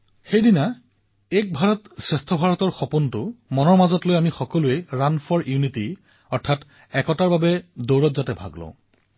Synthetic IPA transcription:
xejdina | ek̚bʱaɹɔtsɹɛstʰɔbʱaɹɔtɔɹxɔpuntʊmɔnɔɹmazɔtlojamixɔkɔlueɹanfʰɔɹjuniti | ɔɹtʰat | ɛkɔtaɹbabɛdowɹɔtzatɛbʱa̰ɡlɔ̰̃ʊ̃

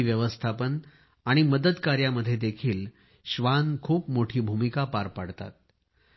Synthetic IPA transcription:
ʋjəʋəst̪ʰapən | aɽ̃iməd̪əd̪kaɾjaməd̪ʱːjed̪ekʰiːl | ɕʋankʰuːpmoʈʰiːbʱumikapaɾpaɽt̪a̰t̪̚

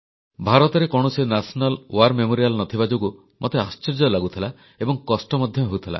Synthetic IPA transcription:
bʱaɾɔt̪ɔɾekɔɽ̃ɔsinasʰɔnalwaɾmemoɾijalnɔt̪ʰibad͡ʒoku | mʔot̪east͡ʃeɾd͡ʒɔlaɡut̪ʰila | ebɔŋkɔsʈɔmɔd̪ʱjɔɦout̪ʰila̰

